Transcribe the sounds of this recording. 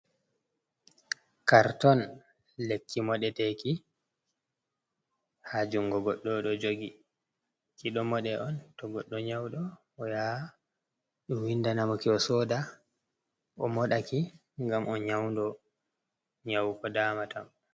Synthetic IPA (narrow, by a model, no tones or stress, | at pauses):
kaɾtɔn | lekːimɔɗɛteki | had͡ʒuŋɡɔɡɔɗːɔɗɔd͡ʒoɡi | kiɗɔmɔɗɛʔɔntɔɡɔɗːɔɲawɗɔ | ɔja | ɗumwindanamɔkiɔsɔːda | ʔɔmɔɗaki | ŋɡamʔɔɲawndɔ | ɲawkɔdaːmatʰam